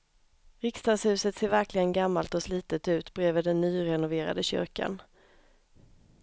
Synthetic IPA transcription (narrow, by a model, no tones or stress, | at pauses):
ɾɪkst̪ɑːd̪shʉ̟ːsət̪seːɾvæɾklɪɡənɡamːalt̪ɔsliːt̪ət̪ʉ̟ːt̪bɾeːvəd̪ɛnːyːɾɛnʊveːɾa̰d̪əɕʏ̰ɾka̰n